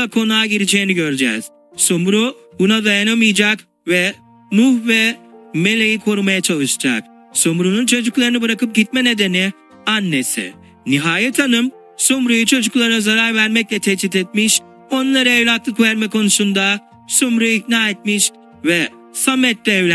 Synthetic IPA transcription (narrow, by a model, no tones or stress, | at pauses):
kʰo̞naːɟiɾid͡ʒejiniɟø̞ɾd͡ʒɛ̰z̥ | somɾu | bunad̪ajanamɯjd͡ʒak | vɛ | muhvɛme̞lʲejikʰoɾumajat͡ʃʰalˠɯʃɯ̥d͡ʒa̰k̚ | somɾununt͡ʃʰo̞d͡ʒuklˠaɾɯnɯbɯɾakɯp̚ɟit̪̚mɛne̞d̪e̞ni | anːe̞sɪ̰ | niɦaːjɛt̪ʰanɯm | somɾujut͡ʃʰo̞d͡ʒuklˠaɾnazaɾaɾvæɾmɛclʲɛt̪ʰet͡ʃʰit̪et̪̚miʃ | o̞nlˠaɾaejlʲaklˠɯkvɛɾmɛkʰo̞nusund̪a | somɾuiknaːet̪̚miʃ | vɛ | samːɛt̪lʲɛːvlʲ